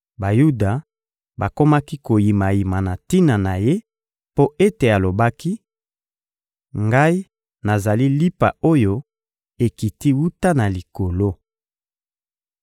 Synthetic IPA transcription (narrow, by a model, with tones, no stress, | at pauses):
ba˨ju˦da˨ | ba˨ko˦ma˦ki˦ko˨ji˨ma˨ji˨ma˨na˨ti˦na˨na˨je˦ | po˦ʔe˦te˨a˨lo˨ba˦ki˦ | ŋɡa˦i˦ | na˨za˨li˦li˦pa̰˨o˦jo˦ | e˨ki˨ti˦wu˦ta˦na˨li˨ko˨lo˦